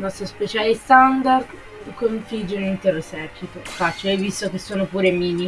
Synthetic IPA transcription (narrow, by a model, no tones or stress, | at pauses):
nɔst̪ɾospet͡ʃaːlest̪and̪ard̪ | koɱfid͡ʒonint̪eresɛpʰːit̪ofat͡ʃajvist̪okesːoːnopuːɾemiːni